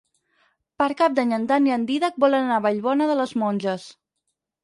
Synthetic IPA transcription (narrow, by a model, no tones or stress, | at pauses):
pəɾkap̚d̪aɲənt̪aniənd̪iðək̚bɔlənanaβaʎβɔnəðələzmɔnʲʒəs